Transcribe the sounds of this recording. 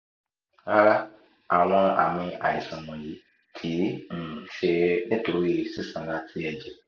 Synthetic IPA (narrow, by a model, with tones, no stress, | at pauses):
a˦ɾa˦ | a˨w̃ɔ̃˧a̰˨mĩ˧a̰˨ḭ˨sã˨mɔ̃˨ji˨˦ | tʰi˨˦n̩˨ʃe˧nĩ˦to˧ɾi˦˨si˦sã˨˦la˧˦tʰi˦ɛ˧d͡ʒɛ˨